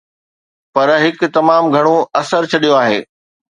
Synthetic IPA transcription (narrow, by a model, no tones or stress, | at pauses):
pɐɾɦɪkt̪ɐmaːmɡʱɐɽ̃õɐsəɾt͡ɕʰɐɗijõaːɦḛː